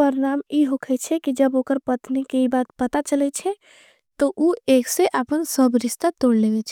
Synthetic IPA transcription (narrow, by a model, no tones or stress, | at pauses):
əɾnamiɦokʰɛt͡ʃʰɛkid͡ʒəbokəɾpət̪nikeibaːt̪pət̪at͡ʃəlɛt͡ʃʰɛ | t̪ɔʔuekseʔəpənsəbɾɪʃt̪at̪oɽlebɛt͡ʃʰɛ